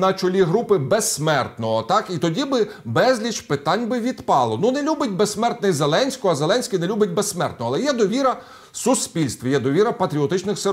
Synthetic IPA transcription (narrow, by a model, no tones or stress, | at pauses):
nɐt͡ʃɔlʲiɦɾupɪbesmɛrt̪nɔɦɔt̪ɑkit̪ɔdʲibɪbɛzʲlʲit͡ʃpɪt̪ɑnʲbɪʋʲid̪pɑlˠɔnunɛlʲubɪtʲbesːmɛrt̪nɔizelˠɛnʲsʲkɔɐzelˠɛnʲsʲkʲɪnɛlʲubʲɐt̚ʲbesːmɛ̰rt̪nɔɐlˠɛjɛd̪ɔʋʲiɾɐ | sʊspʲilʲst̪ʋʲijɛd̪ɔʋʲiɾɐpɐt̪ɾʲiɔt̪ɪt͡ʃnɪxse